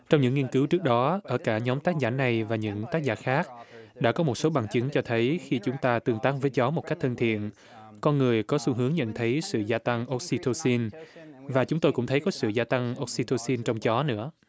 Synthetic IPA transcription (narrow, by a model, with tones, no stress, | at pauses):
t͡ɕɔ˧wŋ͡mɲɨ̰˧˥ŋːi˧ənkɨ˨˦wt͡ɕɨ˦˥ək̚ɗɔ˨˦ʔəː˧˩kaː˧˩ɲɔ˨˦mt̪aː˦˥k̚zaː˧˩na˨˩jvaː˨˩ɲɨ̰˧˥ŋt̪aː˦˥k̚zaː˧˩xaː˦˥k̚ɗa̰ː˧˥kɔ˨˦mo˨˩t̚so˨˦ɓa˨˩ŋt͡ɕɨ˨˦ŋt͡ɕɔ˧t̪ʰə˨˦jxi˧t͡ɕʊ˨˦ŋ͡mt̪aː˧t̪ɨ˨˩əŋt̪aː˦˥k̚vəː˨˦jt͡ɕɔ˨˦mo˨˩t̚ka˦˥k̚t̪ʰə˧nt̪ʰḭ˧˨ən | kɔ˧nŋɨ˨˩əjkɔ˨˦su˧ɦɨ˨˦əŋɲə̰˧˨nt̪ʰə˨˦jsɨ̰˧˨zaː˧t̪a˧ŋʔo˦˥k̚si˧t̪ʰo˧si˧nvaː˨˩t͡ɕʊ˨˦ŋ͡mt̪o˧jkʊ̰˧˥ŋ͡mt̪ʰə˨˦jkɔ˨˦sɨ̰˧˨zaː˧t̪a˧ŋʔo˦˥k̚si˧t̪ʰo˧si˧nt͡ɕɔ˧wŋ͡mt͡ɕɔ˨˦nɨ̰˧˥ə